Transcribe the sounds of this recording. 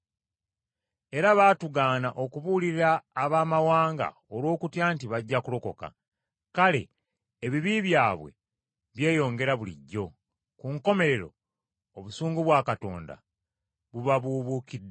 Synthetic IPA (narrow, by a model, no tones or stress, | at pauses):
e̞ɾaβaːtuɡaːnaʔo̞kuβuliɾaːβaːmawaːŋɡa̰ | olwo̞ːkutjaːntiβaɟːakulo̞ko̞ka̰ | kale̞̰ː | βiβiβjaːβwe̞̰ | βje̞ːjo̞ːŋɡe̞ɾaβulḭɟːo̞ | kuŋko̞me̞ɾe̞ɾo̞̰ | oβusuːŋɡuβwaːkato̞̰ːnda̰ | βuβaβuβuːkidːe